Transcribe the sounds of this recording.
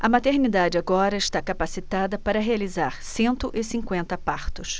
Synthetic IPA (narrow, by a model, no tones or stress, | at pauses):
ɐmat̪eɾnid̪ad͡ʒɪaɡɔɾɐɪʃt̪akapasit̪ad̪ɐpaɾɐɦealizaɾsẽnt̪ʊʔɪsĩkwẽnt̪ɐpaɾt̪ʊs